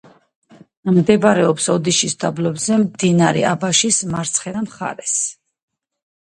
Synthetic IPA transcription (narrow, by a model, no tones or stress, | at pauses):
md̪ɛbɾɛɔpsɔd̪iʃisd̪ablɔbzɛmd̪inaɾɛ̰ʔabaʃismaɾt̪sʰχɛd̪amχa̰ɾɛs